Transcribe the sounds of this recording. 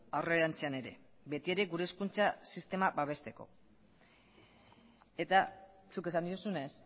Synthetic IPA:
aroeɾant͡se̞ane̞ɾe̞̰ | be̞t̪ie̞ɾe̞ɡuɾe̞skunt͡sasist̪e̞mabaβ̞e̞st̪e̞ko̞̰ | e̞t̪a | suke̞sand̪iusune̞s

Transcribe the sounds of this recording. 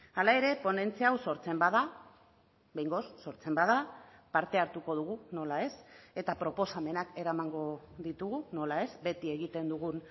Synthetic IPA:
alae̞ɾe̞po̞ne̞nt͡siawso̞ɾt͡se̞mbaða | be̞jŋɡo̞sːo̞ɾt͡se̞mbað̞apaɾt̪e̞aɾt̪uko̞ð̞uɣuno̞lae̞se̞t̪apɾo̞po̞same̞nake̞ɾamaŋɡo̞ | ðit̪uɣuno̞lae̞zbe̞t̪ie̞ɣit̪e̞nd̪uɣun

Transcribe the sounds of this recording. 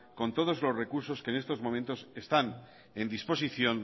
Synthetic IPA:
ko̞nt̪o̞ð̞o̞zlo̞zre̞kuɾso̞ske̞ːne̞st̪o̞zmoment̪o̞se̞st̪an | e̞nd̪ispo̞s̬iθjo̞n

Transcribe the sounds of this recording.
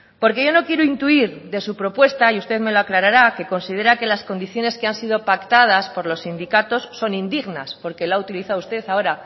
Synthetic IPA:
po̞ɾke̞ʝo̞no̞kje̞ɾuint̪uiɾðe̞supɾo̞pwe̞st̪aiust̪e̞ðme̞loaklaɾaɾake̞ko̞nsið̞e̞ɾake̞lasko̞nd̪iθjo̞ne̞ske̞ansið̞o̞pakt̪að̞aspo̞ɾlo̞sːind̪ikat̪o̞sːo̞nĩnd̪iɣnaspo̞ɾke̞laut̪iliθaust̪e̞θao̞ɾa

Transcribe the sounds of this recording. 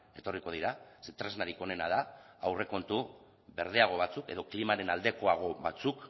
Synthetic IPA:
e̞t̪o̞riko̞ð̞iɾaset̪ɾe̞znaɾikone̞nað̞a | awre̞ko̞nt̪u | βe̞ɾðeaɣ̞o̞βat͡suke̞ðo̞klimaɾe̞nald̪e̞ko̞aɣ̞o̞βat͡suk

